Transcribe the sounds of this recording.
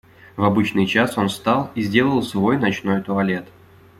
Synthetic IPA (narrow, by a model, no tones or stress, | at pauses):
vɐbɨt͡ɕnɨjt͡ɕaso̞nst̪ɑlˠizʲdʲe̞lˠəlˠsvo̞jnɐt͡ɕno̞jt̪ʊɐlʲe̞t̪